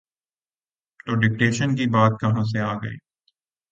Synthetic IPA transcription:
t̪oːɖɪk̚ʈeːʃənkibaːt̪̚kɐɦãs̬eaːɡəḭː

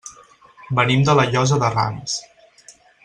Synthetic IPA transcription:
bənimd̪ələʎɔzəðəra̰ms

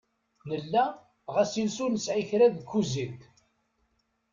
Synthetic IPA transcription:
nəlːæ | ʁæsilsʊɾnəsʕiçɾæðkːuzint̪

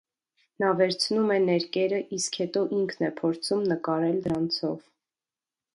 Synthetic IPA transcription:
nɑvɛɾt͡sʰnumɛnɛɾkɛɾəʔiskhɛt̪ɔʔiŋkʰnɛpʰɔɾt͡sʰumnəkɑɾɛld̪əɾɑnt͡sʰɔv

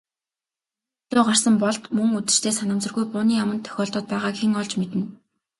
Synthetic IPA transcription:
ɮʊːɢar̥sə̆mpɔɮt̪mɵŋut̪ɘ̆r̥t̪ʰeːsanə̆msə̆rɣujpʊːniːjamə̆nt̪ʰːœ̥xʲɔːɮt̪ɔːt̪̚pæːʁaːkxeŋɔɮt͡ɕmet̪ɘ̆n

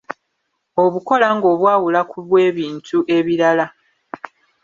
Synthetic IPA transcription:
o̞βuko̞laŋɡo̞ːβwaːwulakuβwe̞ːβiːntʰuʔe̞βiɾala

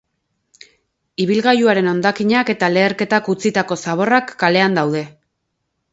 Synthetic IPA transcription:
iβ̞ilɣajuaɾe̞no̞nd̪akiɲake̞t̪ale̞ːɾke̞t̪akut͡sit̪ako̞saβ̞o̞rakːale̞and̪awð̞e̞

